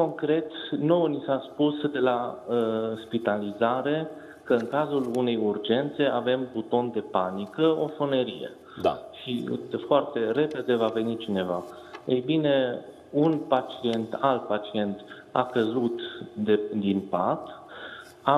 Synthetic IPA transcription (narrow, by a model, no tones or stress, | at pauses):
ko̞ŋkɾe̞t̪no̞wnisaspusd̪e̞laəspit̪alizaɾe̞ | kəɨŋkazulune̞jurd͡ʒe̞nt̪se̞ave̞mbut̪o̞nd̪e̞panikəofoneɾijḛ | aʃifoart̪e̞ɾe̞pe̞d̪e̞vave̞nit͡ʃine̞va̰ | ejbine̞ | unpat͡ʃie̞nt̪alt̪̚pat͡ʃie̞nt̪ | a̰kəzut̪d̪ed̪inpat̪ | a